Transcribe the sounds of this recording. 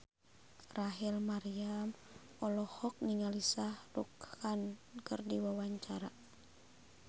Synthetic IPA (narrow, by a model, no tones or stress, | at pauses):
raɦilmaɾiam | ɔlɔhɔk̚niŋalisahrukhankɨrdiwawaɲt͡ʃaɾa